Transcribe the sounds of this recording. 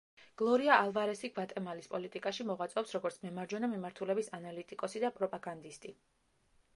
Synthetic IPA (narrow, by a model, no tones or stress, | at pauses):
ɡ̥lˠɔɾiaːlˠvaɾɛsiɡvat̪ʼɛmalispʼɔlit̪ʼikʼaʃimɔʁwat̪sʼɛɔpsɾɔɡɔɾt̪sʰmɛmaɾd͡ʒɔnamimaɾt̪ʰulɛbisanalit̪ʼikʼɔsid̪apʼɾɔpʼaɡand̪ist̪ʼi